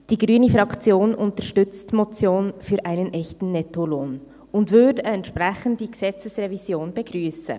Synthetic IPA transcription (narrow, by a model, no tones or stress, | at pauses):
d̥iːɡʁyːnəfʁɑkt͡sjoːnʔʊntəʃtʏt͡stmot͡sjoːnfyːɾʔaɪnənʔɛçtn̩nɛtoloːn | ʊndvʏɐdəɛntʃpʁɛçən̩td̥iːɡ̥ez̥ɛt͡səsrevizjoːnb̥eɡʁyːsə̰